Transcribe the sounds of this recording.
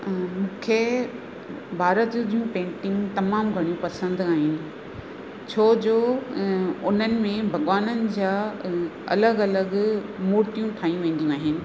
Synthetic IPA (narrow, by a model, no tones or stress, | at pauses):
mũːkʰe | bʱaːɾət̪d͡ʑud͡ʑijũpẽːɳʈɪ̃ŋɡt̪ɐmaːmɡʱɐɽ̃ijũpɐsə̃nd̪aːɦɪnɪ̆ | t͡ɕʰoːd͡ʑoː | ʊn̤ənɪ̆mẽbʱɐɠʋaːnənɪ̆d͡ʑaː | ɐ̰ləɡɐləɡmoːɾt̪ijũʈʰaːɦĩũʋẽːnd̪ijũaːɦɪnɪ̆